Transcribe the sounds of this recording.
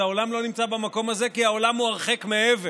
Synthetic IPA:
aolamlo̞nimt͡sabamako̞maze̞kiao̞lamuaʁχe̞kmeeve

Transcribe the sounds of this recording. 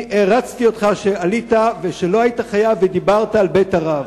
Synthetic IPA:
eʁat͡st̪io̞t̪χaʃe̞alit̪aveʃeloajit̪aχajavːed̪ibaʁt̪aːlbejtaʁav

